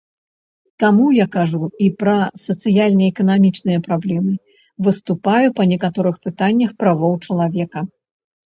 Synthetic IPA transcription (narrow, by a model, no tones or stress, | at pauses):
t̪amujakaʐuipɾɐsɐt̪sɨjalʲnɐɛkɐnamʲit͡ʂnɨjɐpɾablʲɛmɨ | vɨst̪upajupɐnʲɛkat̪ɔɾɨxpɨt̪anʲːɐxpɾavɔwt͡ʂɐlˠavʲɛkɐ